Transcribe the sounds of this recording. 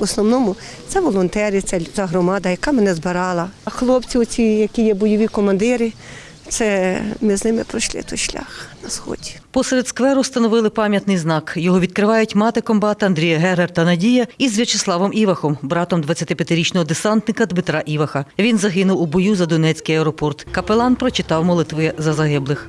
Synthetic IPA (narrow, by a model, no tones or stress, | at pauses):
ɔsnɔwnɔmʊ | t̪sɛʋɔlˠɔnt̪ɛɾʲɪt̪sɛzɐɦɾɔmɑd̪ɐjɐkɑmɛnɛzbɪɾɑlˠɐxlˠɔpt͡sʲiʊt͡sʲijɐkʲijɛbɔjɔʋʲikɔmɐnd̪ɪɾɪ | t̪sɛmɪznɪmɪpɾɔʃlˠɪ̰t̪ɔʃlʲa̰xnɐsxɔ̰dʲipɔseɾed̪skʋɛɾʊst̪ɐnɔʋɪlˠɪpɑmʲjɐt̪nɪjznɑkjɔɦɔʋʲid̪̚kɾɪʋɑjʊtʲmɑt̪ɪkɔmbɑt̪ɐɐnd̪ʲɾʲijɐɦɛɾert̪ɐnɐdʲijɐizʋʲɐt͡ʃeslˠɑʋɔmʔiʋɐxɔmbɾɑt̪ɔmd̪ʋɐt͡sʲːɐt̪ɪpʲjɐt̪ɪɾʲit͡ʃnɔɦɔd̪esɑnt̪nɪkɐd̪mɪt̪ɾɑʔiʋɐxɐʋʲinzɐɦɪnʊwubɔjuzɐd̪ʊnɛt͡sʲkɪjɐɛɾɔpɔrt̪kɐpelˠɑnpɾɔt͡ʃɪt̪ɑwmɔlˠɪt̪ʋɪzɐzɐɦɪblˠɪx